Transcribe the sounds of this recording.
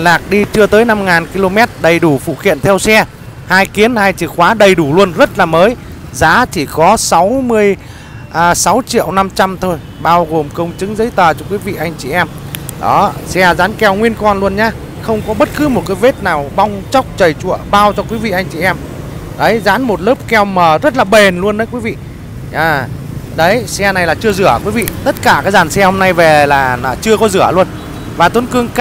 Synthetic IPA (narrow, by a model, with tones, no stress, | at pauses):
nlaː˨˩k̚ɗi˧t͡ɕɨ˧ət̪əː˨˦jna˧mŋaː˨˩nki˧lo˧mɛ˦˥t̚ɗə˨˩jɗu˧˩fṵ˧˩xḭ˧˨ənt̪ʰɛ˧wsɛ˧ | haː˧jki˨˦ənhaː˧jt͡ɕɨ˨˧˩kxwaː˨˦ɗə˨˩jɗu˧˩lu˧ənzə˦˥t̚laː˨˩məː˨˦j | zaː˨˦t͡ɕi˧˩kɔ˨˦sa˨˦wmɨ˧əj | ʔːsa˨˦wt͡ɕḭ˧˨əwna˧mt͡ɕa˧mt̪ʰo˧j | ɓaː˧wɣo˨˩mkə˧wŋ͡mt͡ɕɨ˨˦ŋzə̰˨˦jt̪əː˨˩t͡ɕɔ˧kwi˨˦vḭ˧˨ʔa˧jŋ̟t͡ɕi˨˩ʔɛ˧m | ɗɔ˨˦sɛ˧zaː˨˦nkɛ˧˩wŋwi˧ənkɔ˧nlu˧ənɲaː˧ | xə˧wŋ͡mkɔ˨˦ɓə˦˥t̚kɨ˨˦mo˨˩t̚kaː˨˦jve˦˥t̚naː˨˩wɓa˧wŋ͡mt͡ɕa˦˥wk͡p̚t͡ɕə˨˩jt͡ɕṵ˧˨əɓaː˧wt͡ɕɔ˧kwi˨˦vḭ˧˨ʔa˧jŋ̟t͡ɕḭ˨ʔɛ˧m | ɗə˨˦jza̰ː˧˥nmo˨˩t̚ləː˦˥p̚kɛ˧wməː˨˩zə˦˥t̚laː˨˩ɓe˨˩nlu˧ənɗə˨˦jkwi˨˦vḭ˧˨ | ɲaː˧˩ɗə˨˦jsɛ˧na˨˩jlaː˨˩t͡ɕɨ˧əzɨ˧˩əkwi˨˦vḭ˧˨t̪ə˦˥t̚kaː˧˩kaː˨˦˥jzaː˨˩nsɛ˧ho˧mna˧jve˨˩laː˨˩aː˨˩t͡ɕɨ˧əkɔ˨˦zɨ˧˩əlu˧ən | vaː˨˩t̪u˨˦nkɨ˧əŋk